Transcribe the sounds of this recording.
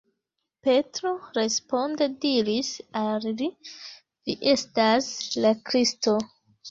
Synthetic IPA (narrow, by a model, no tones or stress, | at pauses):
pe̞tɾoɾe̞spo̞ndediɾisalli | viʔe̞staslakɾisto